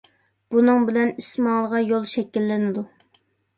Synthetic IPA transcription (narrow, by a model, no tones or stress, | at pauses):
b̥unɨŋbɪlɛnismɑːlˠəʁɑjolˠʃɛkʲilːɪnɪd̪u